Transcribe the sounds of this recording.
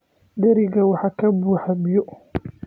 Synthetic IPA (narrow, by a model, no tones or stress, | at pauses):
d̪ɛɾiɡɐwaħakɐbuːħabijɔ